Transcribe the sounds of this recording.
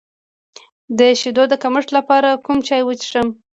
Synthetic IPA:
d̪əʃid̪od̪əkaməʂʈlapɑɾakumt͡ʃɑjwət͡ʃʂəm

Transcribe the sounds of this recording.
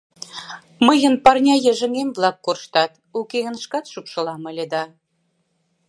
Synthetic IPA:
məjə̆npɑrnʲɑjĕʒə̆ŋemvlˠɑkːorʃt̪ɑt̪ | ukeɣə̆nʃkɑt̪ʃupʃɤ̆lɑmə̆lʲĕd̪ɑ

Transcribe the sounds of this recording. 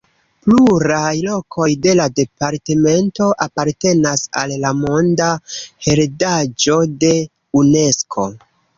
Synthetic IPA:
pluɾajlo̞kʰo̞jde̞lade̞paɾteme̞nto̞ʔapaɾte̞nasa̰lːamo̞ndahe̞ɾdad͡ʒo̞de̞ | une̞skʰo̞

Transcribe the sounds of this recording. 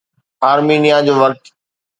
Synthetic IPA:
aːɾmiːnijad͡ʑoːʋəɾt̪

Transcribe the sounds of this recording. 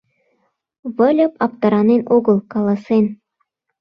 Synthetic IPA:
βɤ̆lʲɤ̆pɑp̚t̪ɑɾɑnenoɡɤ̆lˠkɑlˠɑsen

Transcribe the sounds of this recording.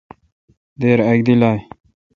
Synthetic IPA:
d̪eːɾɐɡd̪ilaːj

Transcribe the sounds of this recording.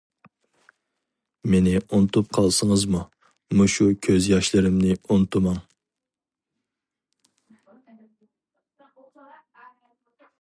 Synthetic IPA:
menɪʔunɨt̪up̚qʰɑlˠsəŋəzmu | muʃukʲʰøzjɑʃlˠɨɾɪmnɪunɨt̪ʰumɑŋ

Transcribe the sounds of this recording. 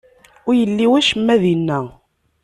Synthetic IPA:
ʊɾjəlːiwæʃəmːæðinːæ

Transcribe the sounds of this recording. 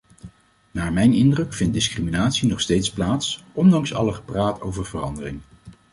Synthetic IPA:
naːɹmɛjnɪndrɵkfɪnt̚dɪskriminaːtsinɔχstejtsplaːtsʔɔndɑŋsɑ̰ləχə̥praːto̰wvəɹvərɑndərɪŋ

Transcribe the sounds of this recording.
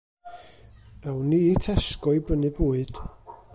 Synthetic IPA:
ɛwniːtʰɛskɔɨbrənɨbuːɨd̥

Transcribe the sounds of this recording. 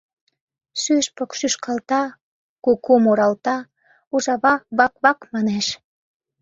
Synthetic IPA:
syʃpəkʃyʃkɑlt̪ɑ | kokomoɾɑlt̪ɑ | uʒɑβɑβɑkβɑkmɑneʃ

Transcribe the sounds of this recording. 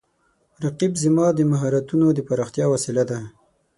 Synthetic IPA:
ɾaqibzɪmɑd̪əmaɦɑɾat̪unod̪əpaɾɑxt̪jɑwasilad̪a

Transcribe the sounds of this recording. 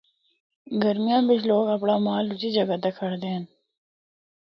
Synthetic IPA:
ɡəɾmijãːbɪt͡ʃloːɡɐpɽaːmaːlut͡ʃid͡ʒɐɡat̪ekʰɐɽd̪eːn

